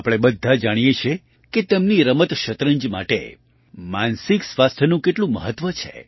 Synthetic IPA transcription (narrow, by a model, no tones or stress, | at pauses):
apɽ̃ebəd̪ʱːad͡ʒaɽ̃ijet͡ʃʰe | ket̪əmniɾəmət̪ʃət̪ɾəɲd͡ʒma̰ʈḛ | mansiksʋast̪ʰənũkeʈlũməɦət̪ːʋət͡ʃʰḛ